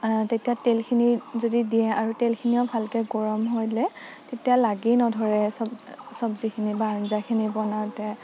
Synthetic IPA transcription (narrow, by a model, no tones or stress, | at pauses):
tetijatelkʰinizodidijɛaɹutelkʰiniɔbʱalkɛɡɔɹɔmɦojlɛtetialaɡinɔdʱɔɹɛsɔbsɔbzikʰinibanzakʰinibɔnawtɛ